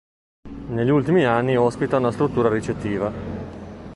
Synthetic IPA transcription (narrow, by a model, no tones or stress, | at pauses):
neʎːiult̪imianːiɔspit̪aunast̪ɾut̪ːuːɾaɾit͡ʃet̪ːiːva